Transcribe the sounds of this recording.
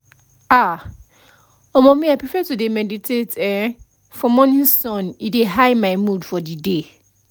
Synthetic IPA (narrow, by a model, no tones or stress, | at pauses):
a | ɔmɔ̃mĩaɪpʰɹifɛtudemɛditʰetʰɛ | fɔ̃mɔ̃nĩsɔ̃nideɦajmaɪmũdfɔdide